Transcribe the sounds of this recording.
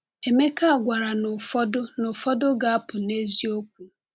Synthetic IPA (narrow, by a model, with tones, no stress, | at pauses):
e˨me˦ka˦a˨ɡʷa˨ɾa˨nʊ˨fɔ˦dʊ˦nʊ˨fɔ˦dʊ˦ɡa˨a˦pʊ˨ne˦zi˦o˦k̚ʷu˨